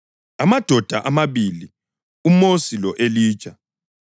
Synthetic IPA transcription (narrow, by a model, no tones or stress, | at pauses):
amad̥ʱɔd̥ʱaʔamaβili | umosilɔʔeliːt͡ʃʼa